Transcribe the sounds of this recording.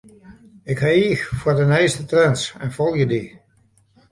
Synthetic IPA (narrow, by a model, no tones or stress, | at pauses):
ɪkhaiəxfwərdənɛjstətrɛnsɛnfolˠjədi